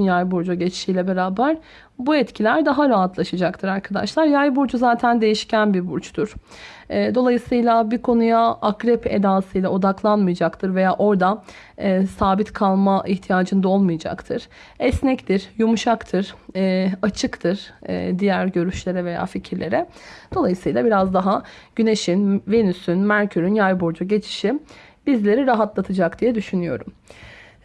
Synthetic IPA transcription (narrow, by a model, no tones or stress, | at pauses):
njajbuɾd͡ʒaɟɛt͡ʃi̥ʃiːlʲɛbe̞ɾaːbæɾ | buɛt̪cʰilʲæɾd̪aɦaɾaat̪ʰlˠaʃad͡ʒakt̪ʰɯɾaɾkʰad̪a̰ʃlˠaɾjajbuɾd͡ʒuzaːt̪ʰænd̪e̞jiʃcʰænbibuɾt͡ʃt̪ʰuɾ̥ | ɛːd̪o̞lˠajɯsɯjlˠabikʰo̞nujaakɾɛpʰḛd̪aːsɯjlʲˠao̞d̪aklˠanmɯjad͡ʒakt̪ʰɯɾve̞jaːʔo̞ɾd̪aː | saːbit̪kʰalˠmaʔiçt̪ʰijaːd͡ʒɯnd̪ao̞lˠmɯjad͡ʒa̰kt̪ʰɯɾ̥ | ɛsnɛct̪iɾjumuʃakt̪ʰɯɾ̥ɛːat͡ʃʰɯkt̪ʰɯɾ̥̰d̪ijæɾɟø̞ɾyʃlʲe̞ɾɛve̞ja̰ːficʰiɾlʲe̞ɾɛd̪̥o̞lˠajɯsɯjlˠabiɾazd̪aɦaɟ̥yne̞ʃinve̞nysynmæɾcʰyɾynjajbuɾd͡ʒuɟe̞t͡ʃʰi̥ʃib̥izlʲe̞ɾiɾaɦat̪lˠat̪ʰɯd͡ʒakd̪ijɛd̪yʃynyjo̞̰ɾum